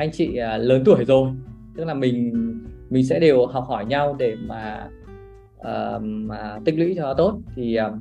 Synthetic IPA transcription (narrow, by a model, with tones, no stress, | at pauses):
ʔa˧jŋ̟t͡ɕḭ˧˨ə˨˩ləː˨˦nt̪̬u˧˩əjzo˨˩jt̪ɨ˦˥k̚laː˨˩mï˨˩ŋ̟mï˨˩ŋ̟sɛ̰˧˥ɗe˨˩whɔ˨˩k͡p̚hɔ˧˩jɲa˧wɗe˧˩maː˨˩ | ʔəː˨˩ə˨˩t̪ï˦˥ŋ̟lwḭ˧˥t͡ɕɔ˧ɔ˨˦t̪o˦˥t̚t̪ʰi˨˩ʔəː˨˩